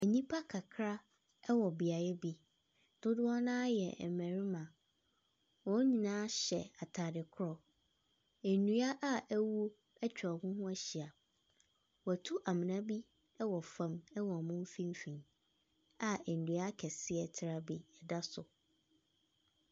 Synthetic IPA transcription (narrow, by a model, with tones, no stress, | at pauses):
æ˨ɲĩ˦pʰa˦kʰa˨kʰɾa˦ | ɛ˦wɔ˨bi˨a˨jɛ˦bi˦ | d̥ʊ˦dʊ˦ɔ˦nã˦jɛ̰˨ɛ˨mæ̃˨ɾi˦mã˨ | wɔ̃˨˦ɲĩ˨nãː˦ɕɛ˨a˨tʰaː˨dɪ˨kʰʊ˦ɾɔ˨ | ɛ˨nũ˨a˦ʔa˦æ˦wu˦ | ɛ˦t͡ɕᶣɔ˨mʊ̃˦hʊ̃˦æ˦ɕi˨a˨ | wɔ˨tʰu˦ʔa˨mɪ̃˨nã˦bi˦ | ɛ˦wɔ˨fã˨mɛ˦wɔ˨mʊ̃˦m˦fĩ˦m˦fĩ˨n | a˨ɛ˨n˨dũ˨a˦kʰɛ˨sɪ˦ɛ˨tʰɪ˦ɾa˦bi˦ɛ˨da˦sʊ˨